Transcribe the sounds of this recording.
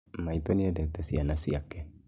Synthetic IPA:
mait̪oniad̪et̪asianasiakːe

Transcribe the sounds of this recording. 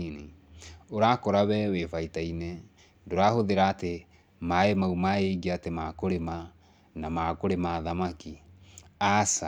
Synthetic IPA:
ne | oɾakɔɾaβɛwefaitainɛ | ndoɾahoðeɾaːte | maemaumaeɡiatemakoɾema | namakoɾemaðamaki | asa

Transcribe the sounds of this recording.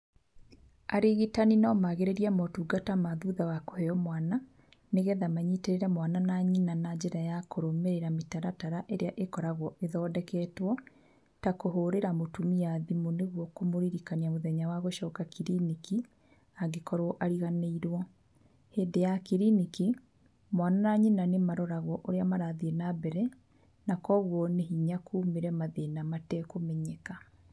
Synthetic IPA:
aɾeɣitaninɔmaɣeɾeɾiamɔtuːɡatamaðuðawako̥hɛjɔmwaːna | neɣɛðamaɲiteɾeɾɛmwananaɲinanad͡ʑeɾajakoɾomeɾeɾametaɾataɾaʔeɾeaʔekɔɾaɣɔʔeðɔːdɛkɛːtwɔ | takoɦoːɾeɾamotumiaðimoneɣwɔkomoɾiɾikaniamoðɛɲawaɣoʃɔːkakiɾiniki | aɡekɔɾwɔʔaɾiɣaneiɾwɔ | heːdejakiɾiniki | mwananaɲenanemaɾɔɾaɣɔʔoɾeamaɾaðienabɛɾɛ | nakɔɣwɔneɦiɲakʰuːmeɾɛmaðenamatɛkomɛɲeka

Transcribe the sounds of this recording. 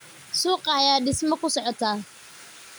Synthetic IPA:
suːqʼɑjaːɗɪsmɔkʊsɔʕɔt̪ʰaː

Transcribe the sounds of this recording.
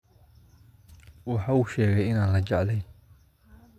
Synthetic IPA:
wɑħɑːʊʃɛːɣɛjɪnaːnlɐd͡ʒɛʕlɛjn

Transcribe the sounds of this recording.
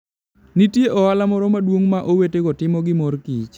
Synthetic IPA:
nitjeʔɔalamɔɾɔmadwoŋmaʔowetekɔtɪmɔɡɪmɔrkit͡ʃ

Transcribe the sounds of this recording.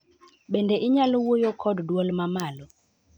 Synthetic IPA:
ɓendeʔɪɲalowojokʰɔddwɔlmamalɔ

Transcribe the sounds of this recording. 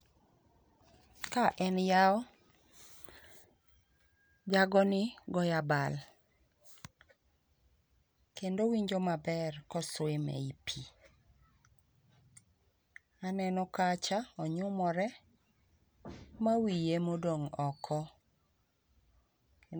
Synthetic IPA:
kaʔɛnjaɔ | d͡ʒaɡɔnɪɡɔjabal | kendowiɲd͡ʒɔmabɛrkɔswemɛ̰ipʰi | anɛnɔkat͡ʃaɔɲʊmɔɾɛ | mawijemodoŋɔkʰɔ

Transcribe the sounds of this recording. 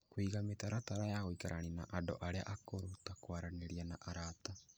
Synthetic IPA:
kwiɣametaɾataɾajaɣoikaɾʔa̰nina̰ʔado̰ʔaɾea̰ʔakoɾotakwaɾaneɾianaʔaɾata

